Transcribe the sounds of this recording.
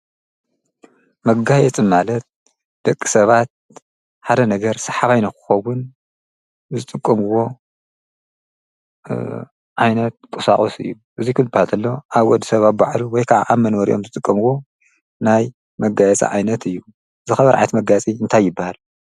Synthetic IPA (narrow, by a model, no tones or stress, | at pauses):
mɐɡajɛt͡sʼɨmalɐt̪̚ | d̪̥ɐkʼːi̥sɐβat̪̚ | ħad̪ɐnɐɡɐɾsɐħaβajnɐkɨ̥xɐwʊn | zɨt̪ʼɨkʼːɐmɨwo̞ | ʕajnɐt̪̚kʼusa̰χʼosɨ̰jːu | ʔɨzikʰɨlbahalt̪ʰɐlːoʔaβwɔd̪ːisɐβat̪baʕluwɔjkʰaʕaʔamɐnwɔɾḭʔo̞mzɨt̪ʼɨkʼːɐmɨwo̞ | naj | mɐɡajɛt͡sʼɐ̰ʕajnɐt̪ʰɨjːu | zɨxɐβɐɾʕa̰jt̪mɐɡat͡sʼiɨnt̪ʰajːɪbːahal